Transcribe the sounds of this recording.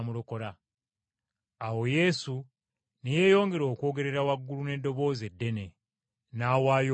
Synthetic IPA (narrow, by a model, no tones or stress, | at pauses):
muloko̞la | awo̞je̞su | nije̞ːjo̞ːŋɡe̞ɾo̞ːkwo̞ːɡe̞ɾe̞ɾawaɡːulune̞dːo̞βo̞ːze̞dːe̞ne̞ | naːwaːjo